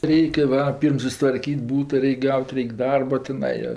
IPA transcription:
ˈrʲɛɪkʲɛ ʋɐ ˈpʲiːrm sʊsʲɪtʋɐrʲˈkʲiːtʲ ˈbuːtɐ ˈrʲɛɪkʲ ˈɡɐʊtʲ ˈrʲɛɪkʲ ˈdɐrbɐ tʲɪˈnɐɪ joː

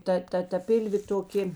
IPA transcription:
ˈtɐ ˈtɐ tɐ ˈpʲɪlʲʋʲeː toːˈkʲeː

